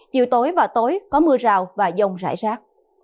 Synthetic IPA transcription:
t͡ɕḭ˨˧˨wt̪o˨˦jvaː˨˩wt̪o˨˦jkɔ˨˦mɨ˧əzaː˨˩wvaː˨˩zə˨˩wŋ͡mza̰ː˧˩jzaː˦˥k̚

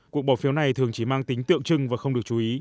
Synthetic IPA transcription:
ku˨˩ək̚ɓɔ˧˩wfi˨˦wna˨˩jt̪ʰɨ˨˩əŋt͡ɕi˧˩maː˧ŋt̪ï˨˦ŋ̟t̪ɨ̰˧˨əŋt͡ɕɨ˧ŋvaː˨˩xə˧wŋ͡mɗɨ˨˩ək̚t͡ɕu˨˦ʔi˨˦

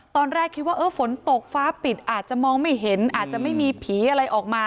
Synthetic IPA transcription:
t̪ɔː˧nɾɛː˥˩kʰi˦˥waː˥˩ʔɤː˧˥˩fo˩˦nt̪o˨˩k̚faː˦˥pi˨˩t̪̚ʔaː˨˩t̪̚t͡ɕa˨˩mɔː˧ŋma˥˩jɦe˩˦nʔaː˨˩t̪̚t͡ɕa˨˩ʔma˥˩jmiː˧pʰiː˩˦ʔa˧ɾa˧jʔɔː˨˩k̚maː˧

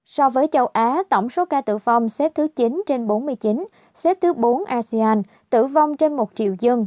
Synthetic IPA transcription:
sɔ˧vəː˨˦jt͡ɕə˧wʔaː˨˦t̪ə˧˩wŋ͡mso˨˦kaː˧t̪ɨ̰˧˨va˧wŋ͡msɛ˦˥p̚t̪ʰɨ˨˦t͡ɕi˨˦nt͡ɕe˧nɓo˨˦nmɨ˧əjt͡ɕi˨˦n | sɛ˦˥p̚t̪ʰɨ˨˦ɓo˨˦nʔaː˧si˧aː˧n | t̪ɨ̰˧˨va˧wŋ͡mt͡ɕe˧nmo˨˩t̚t͡ɕḭ˧˨əwzə˧ŋ

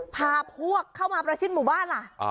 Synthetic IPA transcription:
pʰaː˧pʰhu˥˩ɐkʰːa˥˩wmaː˧pɾa˧sʰi˥˩t̪muː˩˦baː˥˩nla˨˩

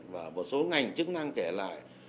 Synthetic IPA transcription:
vaː˨˩mo˨˩t̚so˨˦ŋa˨˩jŋ̟t͡ɕɨ˦˥k̚na˧ŋkɛ˧˩la̰ː˧˨j

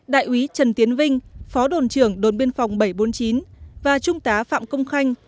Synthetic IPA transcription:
ɗa̰ː˧˨jʔwi˨˦t͡ɕə˨˩nt̪i˨˦ənvï˧ŋ̟fɔ˨˦ɗo˨˩nt͡ɕɨ˧˩əŋɗo˨˩nɓe˧ənfa˨˩wŋ͡mɓə˧˩jɓo˨˦nt͡ɕi˨˦nvaː˨˩t͡ɕʊ˧ŋ͡mt̪aː˨˦fa̰ː˧˨mkə˧wŋ͡mxa˧jŋ̟

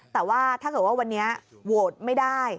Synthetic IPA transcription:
t̪ɛː˨˩waː˥˩t̪ʰaː˥˩kɤː˨˩t̪̚waː˥˩wa˧nːi˦˥ɐ | wo˨˩t̪̚ma˥˩jdaː˥˩j

